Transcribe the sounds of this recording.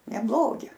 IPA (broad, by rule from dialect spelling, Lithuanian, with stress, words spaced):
nʲɛˈblˠoːɡʲɪ